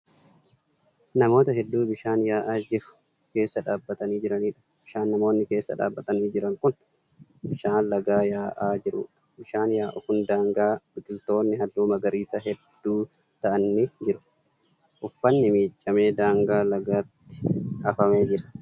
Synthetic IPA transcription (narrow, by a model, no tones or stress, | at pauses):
nɐmo̞ːt̪ɐɦɛd̪ːuːbɪʃaːnjaːʔaːd͡ʒɪɾʊ̥ | ke̞ːsːɐᶑaːbːɐt̪ɐniːd͡ʒɪɾɐniːᶑɐ̥b̥ɪʃaːnːɐmo̞ːnːɪke̞ːsːɐ̰ᶑa̰ːbːɐt̪ɐniːd͡ʒɪɾɐŋkʊn | bɪʃaːnlɐɡaːjaːʔaːd͡ʒɪɾʊ̰ | bɪʃaːnjaːʔʊkʊnd̪aːŋɡaːb̥ɪkʼɪlt̪o̞ːnːɪɦɐlːuːmɐɡɐɾiːt̪ɐɦɛd̪ːuː | t̪ɐʔɐnːɪd͡ʒɪɾʊ̥ | ʔʊfːɐnːɪmiːt͡ʃʼːɐme̞ːd̪aːŋɡaːlɐɡaːt̪ːɪ̥ʔɐfɐmeːd͡ʒɪɾɐ̥